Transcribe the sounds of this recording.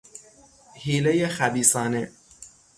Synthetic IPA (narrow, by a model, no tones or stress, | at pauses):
hiːlejexæbiːsɒːne